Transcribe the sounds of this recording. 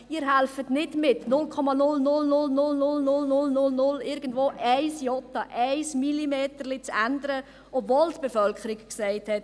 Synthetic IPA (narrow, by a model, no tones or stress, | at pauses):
iːɾɦælfətnɪdmɪtnʊlkʰɔmɑnʊlnʊlnʊlnʊlnʊlnʊlnʊlnʊlnʊlɪɾɡ̥ən̩dvoːʔɛɪsjɔtɑʔɛɪsmilimeːtərlit͡sændəɾə | ʔɔbvoːltb̥əfœlkʰəɾɪkksɛɪthɛt